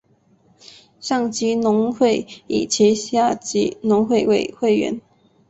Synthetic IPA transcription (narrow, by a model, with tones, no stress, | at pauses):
ɕɑ˥˩ŋt͡ɕi˧˥nʊ˧˥ŋxwe˥˩ɪḭ˨˩t͡ɕʰi˧˥ɕja˥˩t͡ɕi˧˥nʊ˧˥ŋxwe˥˧ɪwe˥˩ɪxwe˥˩ɪɥɛ̰˧˥˦n